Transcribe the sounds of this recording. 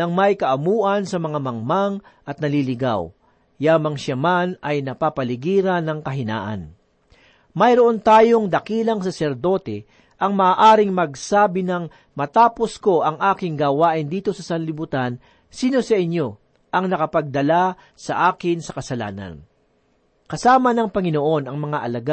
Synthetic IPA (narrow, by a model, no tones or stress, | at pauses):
ɐŋmɐjkɐʔɐmuːʔɐnsɐmɐŋamɐŋmaŋʔɐt̪̚nɐlilɪɡa̰w | jaːmɐŋʃamanɐjnɐpapɐlɪɡiːɾɐnɐŋkɐɦɪna̰ːʔɐ̰n | mɐjɾoʔont̪aːjo̞ŋd̪ɐkiːlɐŋsɐsɛɾd̪o̞ːt̪ɛ | ʔɐŋmɐʔaːʔaːɾɪŋmɐɡsaːbɪnɐŋ | mɐt̪aːpo̞sko̞ʔɐŋʔaːkɪŋɡaːwaːʔɪnd̪iːt̪o̞sɐsɐnlɪbut̪an | siːno̞sɐʔɪɲjo̞ | ʔɐŋnɐkɐpɐɡ̚d̪ɐla | sɐʔaːkɪnsɐkɐsɐla̰ːnɐ̰n | kɐsaːmɐnɐŋpɐŋɪno̞ʔo̞nɐŋmɐŋaʔɐlɐɡa